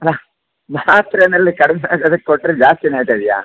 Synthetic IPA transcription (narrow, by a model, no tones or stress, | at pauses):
ɐlːa | maːt̪ɾɐnɐlːikɐɽɛmɛaːt̪ad̪ɐkːkoʈːɾed͡ʒaːst̪inaːɡit̪ajd̪ija̰ː